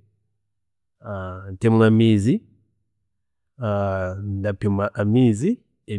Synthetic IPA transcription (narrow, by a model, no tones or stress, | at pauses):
atemulamizi | andapumaʔamiːzi | e